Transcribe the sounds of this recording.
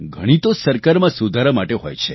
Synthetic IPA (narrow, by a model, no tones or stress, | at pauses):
ɡʱəɽ̃ĩt̪osəɾkaɾmãsud̪ʱaɾamaʈeɦo̰jt͡ʃʰe